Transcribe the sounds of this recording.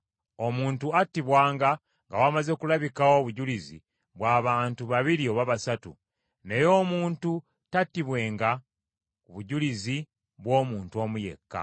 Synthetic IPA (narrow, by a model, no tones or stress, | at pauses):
o̞muːntuatːiβwaːŋɡa | ŋɡawamaze̞kulaβikawo̞βuɟulizḭ | βwaːβaːntuβaβiɾio̞βaβasatṵ | ne̞jo̞ːmuːntu | tatːiβwe̞ːŋɡa | kuβuɟulizi | βwo̞ːmuːntuo̞ːmuje̞̰kːa̰